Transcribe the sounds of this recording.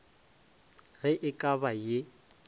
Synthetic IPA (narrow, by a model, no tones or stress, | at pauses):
ɣɛʔɪkʼabaje